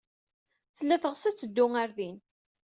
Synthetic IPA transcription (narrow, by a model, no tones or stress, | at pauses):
θəlːæθəʁsæt͡sːəd̪ːʊŋaɾðin